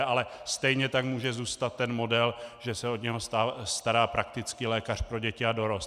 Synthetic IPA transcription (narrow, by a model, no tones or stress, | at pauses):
alɛst̪ɛjɲɛt̪akmuːʒɛzuːst̪at̪ːɛnmo̞dɛlʒɛsɛo̞dɲɛɦo̞st̪ast̪aɾaːpɾak̚t̪ɪt͡skiːlɛːkar̥pɾo̞ɟɛcɪadoɾos